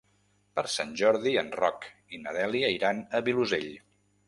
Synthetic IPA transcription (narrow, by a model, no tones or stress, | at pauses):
pəɾsanʲʒɔɾðiənrɔkinəðɛliəiɾanəβiluzeʎ